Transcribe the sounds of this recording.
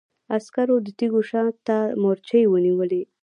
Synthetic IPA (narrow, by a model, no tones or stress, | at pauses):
askaɾod̪ət̪iɡoʃɑ̃t̪amoɾt͡ʃəjwəniwəle